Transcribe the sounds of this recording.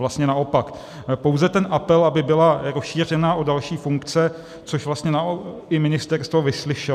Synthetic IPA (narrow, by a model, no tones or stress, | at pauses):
last̪ɲɛnaʔo̞pak | po̞wzɛt̪ɛnʔapɛlʔabɪbɪlaɾosʃiːr̝ɛnaːʔodalʃiːfuŋkt͡sɛ | t͡so̞ʃvlast̪ɲɛnaoɪmɪnɪst̪ɛrst̪vo̞vɪslɪʃɛ